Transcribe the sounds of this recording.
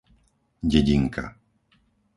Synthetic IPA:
ɟɛɟiŋkʰa̰

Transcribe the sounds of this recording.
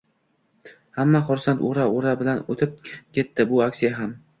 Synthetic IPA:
hamːaχʊɾsant̪oɾaoɾabɪlanot̪ʰɪp̚kʲʰe̞t̪ːɪbʊaksijaɦam

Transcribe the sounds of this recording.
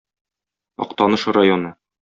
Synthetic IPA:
ɒ̰q̚t̪ɒnɤʃɤɾajonɤ

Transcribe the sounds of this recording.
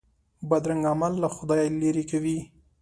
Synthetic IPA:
bad̪ɾaŋɡamalːaxʊd̪ɑjleɾekawi

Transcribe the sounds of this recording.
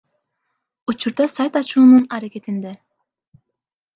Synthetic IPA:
ut͡ʃuɾd̪ɑsajt̪ɑt͡ʃuːnunɑɾakʲet̪ind̪e

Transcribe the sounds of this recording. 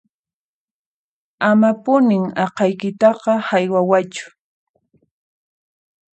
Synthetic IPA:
amapʊnɪŋɑqɑjkɪt̪ɑqɑhajwawat͡ʃʊ̥

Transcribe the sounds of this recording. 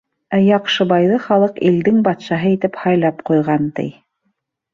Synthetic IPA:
æjɑqʃɤbɑjðɤχɑlˠɤqild̪ɘŋbɑt̪ʃɑɦɤit̪ɘphɑjlˠɑpqujʁɑnt̪ɘ̰j

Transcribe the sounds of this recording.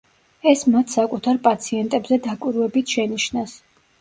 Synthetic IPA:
ɛsmat̪ʰsakʼut̪ʰaɾpʼat̪sʰiɛnt̪ʼɛbzɛd̪akʼwiɾvɛbit̪ʰʃɛniʃnas

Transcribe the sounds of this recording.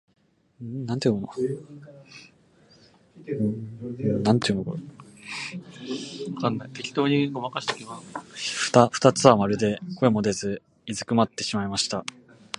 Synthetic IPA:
nãnt̪eɯnono | nãnt̪eɯnoko | βakanːajt̪e̞kʲi̥t̪o̞ːɲiɡomakaɕi̥t̪ekʲimaɸɯ̟̥t̪aɸɯ̥t̪at͡sɨβamaɾɯ̟d̪e̞ko̞emo̞d̪e̞zɨ | izɨkɯ̟mat̪ːe̞ɕimaimaɕi̥t̪a

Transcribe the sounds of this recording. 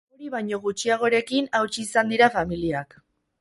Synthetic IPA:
oɾiβajɲo̞ɣ̞ut͡ʃiaɣ̞o̞ɾe̞kinawt͡ʃiːsand̪iɾafamiliak

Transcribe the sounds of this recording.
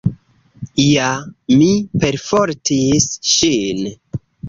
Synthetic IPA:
jamipeɾfoɾtisʃin

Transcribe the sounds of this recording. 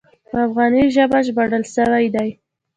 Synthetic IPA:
pəəafɣɑniʒəbaʒbaɽəlʃəwajd̪aj

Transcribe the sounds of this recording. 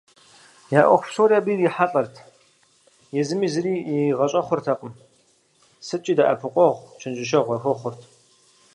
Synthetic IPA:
jaːʔʷɔ̰χʷʊpsoːrabiːriħaɬʼɐrtʰ | jɛzɨmiːzɨɾiːiʁɐɕʼɐχʷʊrtʰɐqʼəm | sɨt͡ʃʼiːdaʔɐ̰pʰɨqʷʼɔʁʷt͡ʃʰɪnt͡ʃʼɪʃ̬ɐʁʷɐxʷɔχʷʊrtʰ

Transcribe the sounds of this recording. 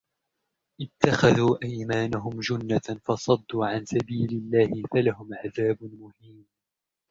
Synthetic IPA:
ʔɪt̪ʰːaxaðuːʔajmaːnaɦʊmd͡ʒʊnːafɑsˤɑd̪ːuːʕansabiːlɪlːaːhɪfalahʊmʕaðaːbmʊhiːm

